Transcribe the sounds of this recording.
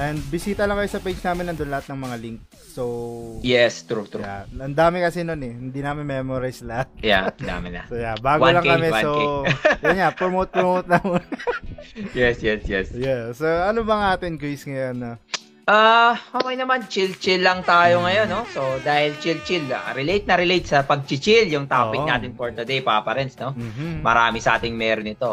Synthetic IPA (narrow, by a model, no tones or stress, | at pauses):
ʔɛnd̪̚bɪsiːt̪ɐlɐŋkɐjosɐpejd͡ʒnaːmɪnɐŋd̪onlɐat̪̚nɐŋmɐŋaliŋk̚ | sojɛst̪ɾut̪ɾaɐnd̪aːmɪkɐsɛno̞nɛhɪnd̪iːnaːmɪnmɛːmoɾijslɐja̰nd̪a̰ːmɪnɐ̰jabaːɡolɐŋkɐmɛsojɐnŋapomot̪̚pmowt̪̚nɐmon | jɛsjɛsjɛsjɛsoʔɐnobɐŋaːt̪ɪnkisŋɐjonːɐ | ʔahɐmɐjnɐmant͡ʃilt͡ʃɪlːɐŋt̪aːjoŋɐjo̞nːo̞sod̪aːhɪlt͡ʃilt͡ʃila̰ɾɪlejt̪̚nɐɾɪlejt̪̚sɐpɐɡ̚t͡ʃɪt͡ʃɪljʊŋt̪aːɪk̪aːt̪ɪnpoɹt̪ɐd̪ejpapɐɾɛnsno̞m̩ːmɐɾaːmɪsɐʔa̰ːt̪ɪŋmɛɾonɪt̪o̞